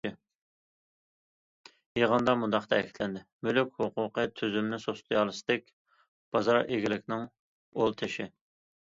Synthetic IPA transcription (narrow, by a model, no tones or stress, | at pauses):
jeʁənd̪ɑmund̪ɑqt̪ʰɛkkʰʲi̥t̪ʰlɛnd̪ɪmylykʲhuqʰʊqʰət̪ʰyzymnɪsost̪ʰɨjɑlˠɨsɨ̥d̪ɪkʲ | b̥ɑzɑɾʔeɡʲilɪkʲnɪŋ | olˠt̪ʰɪʃɪ